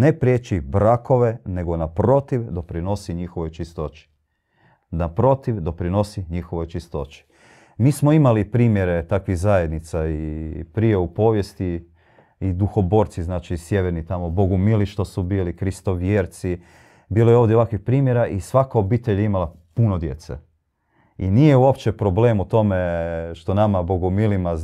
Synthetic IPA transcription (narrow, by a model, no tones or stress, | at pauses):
ne̞pɾjet͡ʃibɾakʰo̞ʋe̞ne̞ɡo̞napɾo̞t̪iʋd̪o̞pɾino̞siɲixoʋo̞jt͡ʃist̪o̞t͡ʃi̥ | napɾo̞t̪iʋd̪o̞pɾino̞siɲixo̞ʋo̞jt͡ʃist̪o̞t͡ʃi̥ | miːsmo̞imalipɾiːmje̞ɾe̞t̪akʋizaje̞d̪nit̪saipɾije̞upo̞ːʋje̞st̪i | id̪uxo̞bo̞ːɾt̪siznaːt͡ʃisjeʋeɾnit̪amobo̞ɡumiliʃt̪osubiːlikɾist̪o̞ʋjeːɾt̪si | biːlojeoːʋd̪jeakʋixpɾiːmje̞ɾaʔisʋakaobiːt̪eʎeimala | punod̪je̞̰t̪sḛ | ḭniːje̞uopt͡ɕe̞pɾo̞bleːmut̪o̞me̞ʃt̪o̞namaboɡumilima